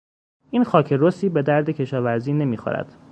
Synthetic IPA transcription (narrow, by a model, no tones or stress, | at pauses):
ʔiːnxɒːcʰe̞ɾosiːbe̞d̪æɾd̪e̞cʰe̞ʃɒːvæɾziːne̞miːxo̰ɾæ̰d̪̥